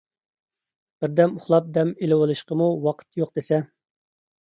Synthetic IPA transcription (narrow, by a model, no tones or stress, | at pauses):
b̥ɪɾd̪ɛmʊχlˠɑp̚d̪ɛmelɪwolˠɨʃqəmuwɑqʰə̥t̪joq̚d̪esɛ